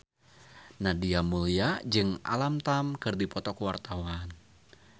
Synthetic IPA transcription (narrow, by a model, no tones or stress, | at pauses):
nadiamuliad͡ʒɨŋʔa̰lamt̪amkɨrdipɔt̪ɔkəwart̪awan